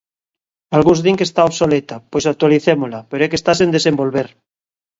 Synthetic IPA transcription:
alɣunzðiŋkest̪aoβsolet̪apojsak̚t̪waliθemolapeɾoekest̪as̬end̪esembolβeɾ

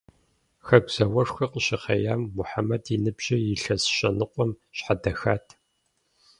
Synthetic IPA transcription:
xɐɡʷz̥ɐwɐʂxʷɐqʷəɕɪχɐjaːmːʊħamɐdinɨbʒ̥ɐjɪɬɐsɕʼɐnɨqʷɔm | ɕħadɐxaːtʰ

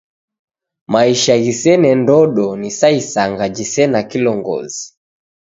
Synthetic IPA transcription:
maiʃaɣisɛnɛndɔɗɔnisaisaŋɡad͡ʒisɛnakilɔŋɡɔ̰zi

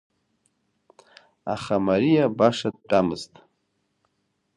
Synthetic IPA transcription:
a̰χamaɾijabaʂad̪̚ʈʼamɨ̰ztʼ

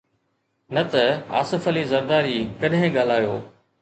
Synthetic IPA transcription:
nɐt̪ɐa̰ːsɪfəliːzɐɾd̪aːɾiːkɐɗɦɪ̃ɠaːl̤aːjo̰ː

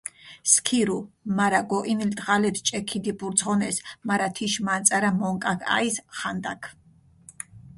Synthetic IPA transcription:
skʰiɾumaɾaɡɔʔinild̪ʁalɛpst͡ʃʼɛkʰid̪ipʼuɾt̪zʁɔnɛsmaɾat̪ʰiʃmant̪sʼaɾamɔŋkʼakʰa̰isχand̪a̰kʰ

